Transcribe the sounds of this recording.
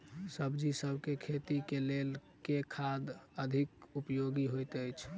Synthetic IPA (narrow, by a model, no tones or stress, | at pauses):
səbd͡ʒisəbʱkekʰet̪ikelel | kekʰad̪əd̪ʱikupjoɡiɦojt̪ət͡ʃʰ